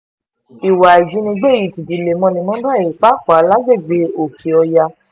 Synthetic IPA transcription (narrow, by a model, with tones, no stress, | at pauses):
i˨wa˨i˨d͡ʒi˨˦nĩ˧ɡ͡be˦˨ji˨ti˨di˨le˨mɔ̃˧nĩ˧mɔ̃˦dã˦e˨i˨k͡pa˨˦ka˨a˨˦la˦ɡ͡be˦˨ɡ͡be˧˦o˨kʰi˨ɔ˧ja˧